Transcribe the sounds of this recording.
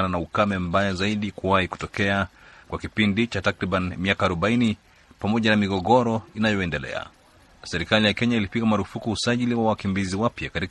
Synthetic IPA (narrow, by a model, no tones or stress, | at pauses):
nanaukamɛmbajazaiɗikuwahiku̥tɔkɛakwakipindit͡ʃatakɾiɓanimiakaːɾuɓaini | pamɔʄanamiɡɔɡɔɾɔinajɔɛndɛlɛ̰a̰ | sɛɾikalijakɛɲailipiɡamaɾufukuusaʄiliwawakimbiziwapjakati